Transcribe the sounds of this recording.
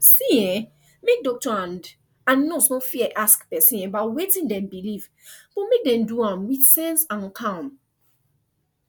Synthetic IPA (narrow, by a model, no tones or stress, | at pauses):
siɛ̃ | mek̚dɔk̚tɔãnd | ãnːɔsnõfiɛʔaskpɛsĩnɛbawetĩndɛ̃mbiliv | b̥ɔmek̚dɛ̃mduãmwidsɛ̃nsãnkʰãm